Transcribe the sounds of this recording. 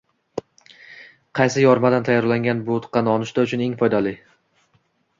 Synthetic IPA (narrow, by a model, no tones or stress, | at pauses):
qʰɑjsɪjɒɾmad̪ant̪ʰajːɒɾlaŋɡʲanbʊt̪qːɑnɒnɪʃd̪aʊt͡ʃʰʊneŋfɒjd̪alɪ